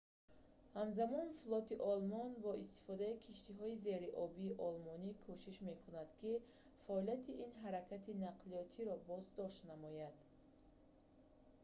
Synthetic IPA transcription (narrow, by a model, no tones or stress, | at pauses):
hamzamɔnflˠɔt̪iʔɔlmɔnbɔist̪i̥fɔd̪aikʰiʃt̪iɦɔize̞ɾiʔɔbiːʔɔlmɔnikʰuʃiʃme̞kʰunad̪̥kʰi | faɔliat̪ʰiʔinɦaɾakʰat̪ʰinaqlijɔt̪ʰiɾɔbɔzd̪ɔʃt̪namɔjad̪̥